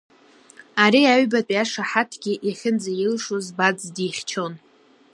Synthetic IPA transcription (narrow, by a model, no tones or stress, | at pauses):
aɾiaɥbatʼiaʂaħatʰɡʲiʔiχʲɪnd͡zajɪlʂozbad͡zdiχʲt͡ʃʰo̞n